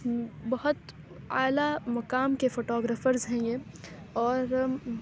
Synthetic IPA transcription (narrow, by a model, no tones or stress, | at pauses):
bɐɦʊt̪ | a̰ːlamɐkaːmkefoːʈɔːɡɾəfəɾzɦɛ̃je | ɔːɾ